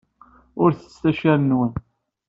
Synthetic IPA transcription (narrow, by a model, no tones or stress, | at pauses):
ʊɾθə̥st̪æʃæɾənwən